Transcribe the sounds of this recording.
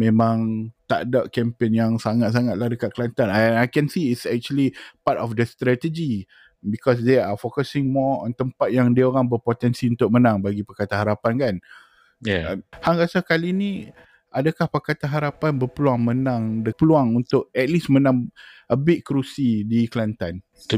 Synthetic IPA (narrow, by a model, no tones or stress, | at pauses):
mẽmãŋt̪a̰daʔ̚kɛmpenjaŋsaŋat̪̚s̬aŋat̪̚lahdəkat̪̚kəlant̪anaajkɛnsiːsɛk̚t͡ʃuəlipatɔfdəst̪ɾɛt̪əd͡ʒi | bikɔs̬deafokəsɪŋmɔɔ̰̃nt̪əmpat̪̚jaŋdiaoɾaŋbəpot̪ɛnsiunt̪ʊk̚mənãŋbaɡipakat̪aɦaɾapankan | haŋɣasakalinĩ | adakahpakat̪aɦaɾapanbəpəluaŋmə̃nãŋdəpəluaŋunt̪ʊʔ̚ɛt̪̚lismə̃nãŋʔəbɪʔ̪̚kɾusidikəlant̪an